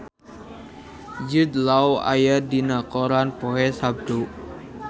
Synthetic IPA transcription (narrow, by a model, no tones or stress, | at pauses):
d͡ʒud̪lawa̰jadinakoɾanpoɦɛsab̚d̪u